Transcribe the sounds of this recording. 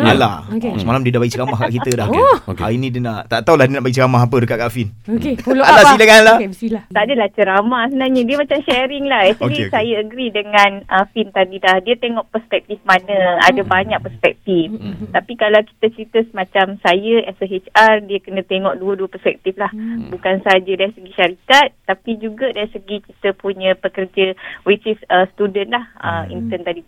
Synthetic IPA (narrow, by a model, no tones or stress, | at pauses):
ala̰səmalamdiədahbaɡit͡ʃəɾamahkaʔkit̪ədahka̰inĩdənaʔt̪aʔt̪awlahdiənaʔbaɡit͡ʃəɾamaɦapədəkaʔkaʔfinokealasilaŋanlaiat̪aʔdəlaht͡ʃəɾamahsəbənaɲədiəmat͡ʃamʃɛɾɪŋlahɛt͡ʃisajəəɡɾidəŋanəfint̪adidahdiət̪eŋɔʔpəspɛk̚t̪ifmanəa̰dabaɲak̚pəspɛk̚t̪ift̪apikalawki̥t̪ət͡ʃəɾit̪əsəmãt͡ʃamsajəʔɛsəɦet͡ʃardiəkənət̪eŋɔʔduəduəpərspɛk̚t̪iflahbukansəad͡ʒadaɾisəɡiʃaɾikat̪ːapid͡ʒuɡadaɾisəɡikit̪əpuɲə̃pəkərd͡ʒəwit͡ʃisəst̪udənlahəmḭnt̪ənt̪adi